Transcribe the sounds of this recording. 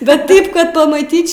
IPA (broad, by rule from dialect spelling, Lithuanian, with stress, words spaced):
bʲɛt ˈtɐɪp kɐt pɐmɐˈtʲiːt͡ʃʲ